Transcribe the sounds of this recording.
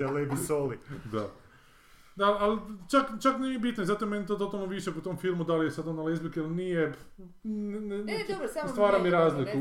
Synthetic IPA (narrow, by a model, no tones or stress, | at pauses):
alebisolid̪a | d̪aalt͡ʃakt͡ʃakneiebit̪noezat̪omenit̪ot̪ot̪alnoʋiʃekut̪omfilˠmud̪alijesad̪analezbikilnije | nn | st̪ʋaːɾamiɾaːzliku